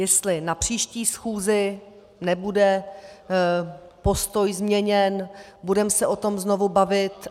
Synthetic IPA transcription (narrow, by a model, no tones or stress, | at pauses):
jɛst̪lɪnapr̝̥iːʃciːsxuːzɪ | nɛbudɛ | po̞st̪o̞jzmɲɛɲɛnbudɛmsɛʔo̞t̪o̞mzno̞vubavɪt̪